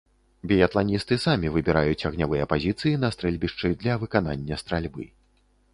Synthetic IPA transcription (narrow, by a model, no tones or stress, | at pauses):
bʲɛjat̪lˠanʲist̪ɨsamʲivɨbʲɛɾajut͡sʲɐɣnʲavɨjɐpazʲit̪sɨjinɐst̪ɾɛlʲbʲiʂt͡ʂɨd̪lʲɐvɨkananʲːɐst̪ɾalʲbɨ̰